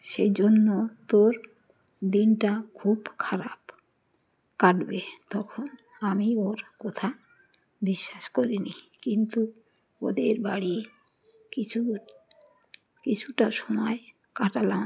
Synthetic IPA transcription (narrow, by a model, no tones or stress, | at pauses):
ʃed͡ʒonːot̪oɾ | d̪inʈakʰubkʰaɾab | kaʈbet̪ɔkʰɔn | amioɾkɔt̪ʰa | biʃːaʃkoɾini | kint̪u | od̪eɾbaɽi | kit͡ʃʰu | kit͡ʃʰuʈaʃɔmɔe | kaʈala